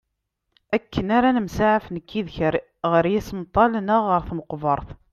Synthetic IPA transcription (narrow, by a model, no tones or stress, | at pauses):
ækːənaɾænəmsaʕəfnəkːiðçəɾ | ʁəɾjæsəmt̪ˤːɑlnəʁːəɾθməqvəɾˤθ